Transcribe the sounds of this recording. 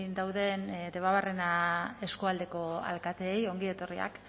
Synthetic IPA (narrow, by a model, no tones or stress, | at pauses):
nd̪awðe̞nd̪e̞βaβarenae̞skuald̪e̞ko̞a̰lkat̪eːjo̞ŋɡiet̪o̞ria̰k